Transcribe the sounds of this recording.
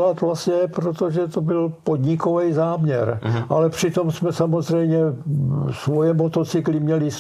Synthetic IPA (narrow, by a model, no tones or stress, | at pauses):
lat̪vlast̪ɲɛpɾot̪o̞ʒɛt̪o̞bɪlpod̪ɲɪko̞vɛjzaːmɲɛɾʔalɛpr̝̥ɪt̪o̞msmɛsamo̞zr̝ɛjmɲɛ | svojɛmot̪o̞t͡sɪklɪmɲɛlɪs